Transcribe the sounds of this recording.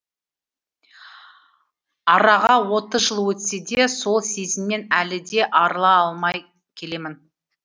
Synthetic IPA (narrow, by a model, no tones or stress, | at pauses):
ɑɾɑʁɑwo̞t̪əzʒəlˠwɵt̪se̞d̪e̞so̞lˠse̞zɪmːe̞nælɪd̪e̞ʔɑɾəlˠɑɑlˠmɑj | kʲʰe̞le̞mɪn